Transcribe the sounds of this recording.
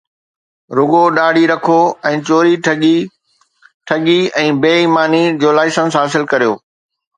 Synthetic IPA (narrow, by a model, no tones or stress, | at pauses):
ɾʊɠoɗaːɽ̤ʱiɾɐkʰoɛ̃ːt͡ɕoːɾiɠ | ʈʰɐɠiɛ̃ːbeːimaːnid͡ʑoːlaːɪsə̃nsɦaːsɪlkɐɾijoː